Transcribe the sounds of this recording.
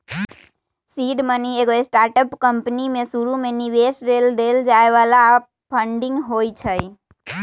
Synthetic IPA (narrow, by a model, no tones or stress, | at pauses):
siɖmənieɡoesʈaɾʈəpkəmpnimẽsuɾumeniʋesɾeld̪eld͡ʒaeʋala | pʰəɳɖɪ̃ŋɡɦojt͡ʃʰəj